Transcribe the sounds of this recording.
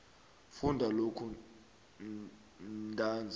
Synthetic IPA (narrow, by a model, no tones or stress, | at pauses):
fundʱalokʰu | ntʼaːnd͡zʱ